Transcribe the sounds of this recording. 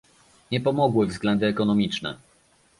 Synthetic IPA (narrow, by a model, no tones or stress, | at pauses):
ɲɛpɔmɔɡwɘvzɡlɛnd̪ɘɛkɔnɔmʲit͡ʂnɛ̰